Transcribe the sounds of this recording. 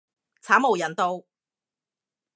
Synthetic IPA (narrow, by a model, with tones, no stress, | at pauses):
t͡sʰaː˨˥mo˨˩wjɐ˨˩nt̪o˧w